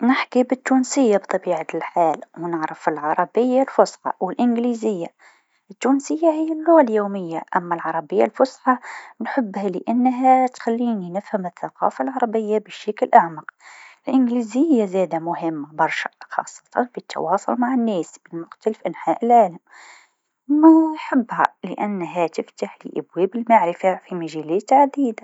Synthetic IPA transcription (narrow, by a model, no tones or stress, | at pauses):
nɪħkibɪt̪ːuːnsɪjːabt̪ˤɑbiːʕat̪lħaːlwnɪʕɾɪfɪlʕɑɾˤɑbɪjːalfʊsħɑ̰wɪlʔɪnɡliːzɪjːa | ʔɪt̪ːuːnsɪjːahɪjːalːʊɣaljoːmɪjːaʔamːalʕɑɾˤɑbɪjːalfʊsħɑnħʊbːhalɪʔanːɦat̪xalːiːninɪfhamɪθːaqɑ̰ːfalʕɑɾˤɑbɪjːabɪʃaklʔaʕmaqɪlʔɪnɡliːzɪjːazæːd̪amʊhɪmːabɑɾˤʃḁ̰xɑ̰ːsˤːɑ̥t̪ɑnfit̪ːɑ̰wɑːsˤʊlmaʕanːeːsbɪlmʊxt̪alɪfʔanħaːʔɪlʕaːlam | majħɪbːha̰lɪʔanːɦat̪ɪft̪aħlɪ̰ʔabweːbɪlmaʕɾɪfafimaʒæleːt̪ʕad̪iːd̪a